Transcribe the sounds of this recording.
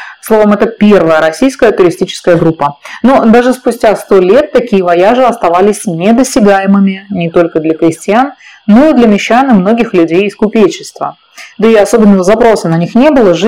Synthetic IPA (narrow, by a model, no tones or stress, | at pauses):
slˠo̞vəmɛt̪əpʲe̞rvəjəɾɐsʲijskəjət̪ʊɾʲɪsʲtʲit͡ɕɪ̥skəjəɡɾupːənod̪aʐɨspʊsʲtʲast̪o̞lʲe̞t̪ːɐkʲijəvɐjaʐɨɐst̪ɐvalʲɪsʲnʲed̪əsʲtʲɪɡajɪmɨmʲɪnʲɪt̪o̞lʲkəd̪lʲɐkɾʲɪsʲtʲɪanː | oid̪lʲəmʲɪɕːanɨmno̞ɡʲɪxlʲʉdʲejɪskʊpʲet͡ɕɪst̪və̰ | d̪əɪɐso̞bʲɪnːəvəzɐpɾo̞sənɐnʲixnʲe̞bɨlˠəʐ